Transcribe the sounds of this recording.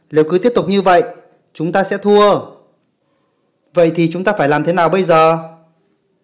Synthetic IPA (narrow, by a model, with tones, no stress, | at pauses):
le˨˦wkɨ˨˦t̪i˦˥əp̚t̪ʊ˨˩k͡p̚ɲɨ˧və̰˧˨j | t͡ɕʊ˨˦ŋ͡mt̪aː˧sɛ̰˧˥t̪ʰu˧ə | və̰˧˨jt̪ʰi˨˩t͡ɕʊ˨˦ŋ͡mt̪aː˧faː˧˩jlaː˨˩mt̪ʰe˨˦naː˨˩wɓə˧jzəː˨˩